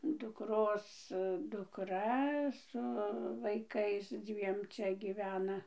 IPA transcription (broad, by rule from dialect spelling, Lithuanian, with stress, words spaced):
dʊkˈroːs dʊkˈrɐ sʊ ʋɐɪˈkɐɪs ˈd͡zʲʋʲiɛm ˈt͡ʃʲɛ ɡʲiːˈʋʲæːnɐ